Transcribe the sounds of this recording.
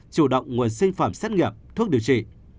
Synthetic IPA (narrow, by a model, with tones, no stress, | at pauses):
t͡ɕu˧˩ɗə̰˧˨wŋ͡mŋu˨˩ənsï˧ŋ̟faː˧˩msɛ˦˥t̚ŋi˨˩əp̚t̪ʰu˦˥ək̚ɗi˨˩wt͡ɕḭ˧˨